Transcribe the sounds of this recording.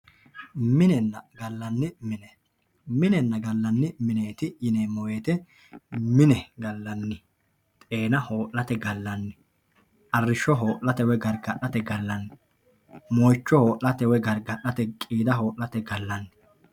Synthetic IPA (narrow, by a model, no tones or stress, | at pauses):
mɪnɛnːɐɡɐlːɐnːɪmɪnɛ | mɪnɛnːɐɡɐlːɐnːɪmɪneːt̪ɪjɪneːmɔweːt̪ɛ | mɪnɛɡɐlːɐnːɪ | t̪ʼeːnɐho̞ːʔlɐt̪ɛɡɐlːɐnːɪ | ʔɐrːɪʃɔɦo̞ːʔlɐt̪ɛwɛɡɐɾɡɐɗɐt̪ɛɡɐlːɐnːɪ | mɔjt͡ʃːɔho̞ːʔlɐt̪ɛwɛɡɐɾɡɐʔɐt̪ɛkʼiːd̪ɐɦo̞ːʔlɐt̪ɛɡɐlːɐnːɪ